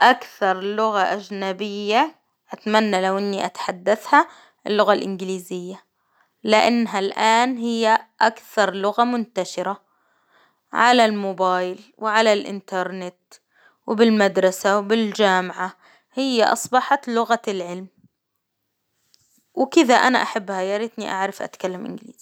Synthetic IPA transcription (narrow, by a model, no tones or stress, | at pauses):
ʔakθɑɾˤlʊɣaʔad͡ʒnabɪjːa | ʔat̪manːalawʔɪnːiʔat̪ħad̪ːaθha | ɪlːʊɣalʔɪnɡɪliːzɪjːa | lɪʔanːɦalʔaːnhɪjːaʔakθɑɾˤlʊɣamʊnt̪aʃɪɾa | ʕa̰lalmoːbaːjlwɪʕalalʔɪ̰nt̪ɑɾˤnɪt̪ | wɪbɪlmad̪ɾˤɑsawbɪld͡ʒaːmʕa | hɪjːaʔɑ̰sˤbɑħat̪lʊɣalʕɪlm | wɪkɪðaʔana̰ʔaħabːhajɑɾɪt̪niʔaʕɾˤɑfʔa̰t̪kalːamʔɪ̰nɡɪlḭːz̥